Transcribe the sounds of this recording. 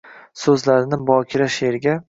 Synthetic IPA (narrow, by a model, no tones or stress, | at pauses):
sɵzlaɾɪnɪbɒːkʲʰɪɾaʃeɾɡʲa